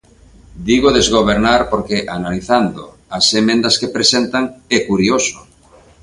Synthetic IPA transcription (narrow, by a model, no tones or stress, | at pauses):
d̪iɣoðezɣoβ̞eɾnaɾpoɾkeʔanaliθand̪o̰ | asemẽnd̪ɐskepɾesent̪aŋɛkuɾioso̥